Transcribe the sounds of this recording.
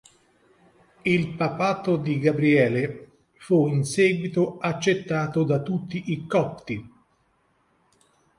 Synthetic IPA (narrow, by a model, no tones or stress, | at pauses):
ilpapaːt̪od̪iɡabɾiɛːle | fuinsɛːɡwit̪oat͡ʃːet̪ːaːt̪od̪at̪ːut̪ːiʔikɔpt̪i